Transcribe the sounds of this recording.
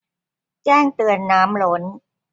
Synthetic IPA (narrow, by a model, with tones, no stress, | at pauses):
t͡ɕɛː˥˩ŋt̪ɯ˨˩ənːaː˦˥mlo˦˥n